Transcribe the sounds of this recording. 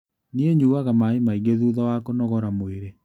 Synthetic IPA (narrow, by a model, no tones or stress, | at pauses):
nieɲuaɣamaimaiɣeðuːðɔwakonɔɣɔɾamoeɾe